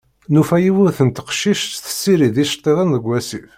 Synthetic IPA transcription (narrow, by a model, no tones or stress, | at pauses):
nufæjiwʊɾθənt̪ə̥qʃiʃt̪θə̥sːiɾiðiʃt̪ˤːiðənðəɡʷːæsif